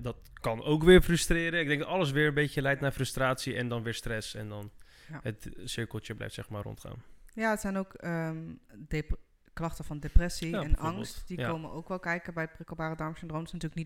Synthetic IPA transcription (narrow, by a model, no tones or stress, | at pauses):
dɑtkɑnowkʋɪːɹfrɵstrɪːɾənɪɡ̚dɛŋɡdɔtɑləs̬ʋɪːɹənbejcəlɛj̚tnaːɹfrəstraːtsiɛndɑnʋɪːɹstrɛsɛndɑn | jɦətsɪɹkəl̩ˠt͡ʃəblɛ̰jftsɛxmaːrɔ̰ntχa̰ːnjaːətsɛjnowkəde | klɑχtəfɑndeprɛsiɛnɑŋstd̥ikkːowmənowkʋɛlˠkɛjkəbɛjət̚brɪkəbaːrədɑɹmsɪndrowmdɪsnatyːlknit